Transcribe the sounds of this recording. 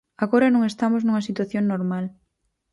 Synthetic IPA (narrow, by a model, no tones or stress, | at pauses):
aɣoɾɐnõŋest̪amoznuŋɐsit̪waθjoŋnoɾmal